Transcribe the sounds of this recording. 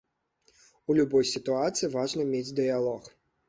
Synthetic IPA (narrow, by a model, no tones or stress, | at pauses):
ulʲubɔjsʲit̪uat̪sɨjivaʐnɐmʲed͡zʲd̪ɨjalˠɔx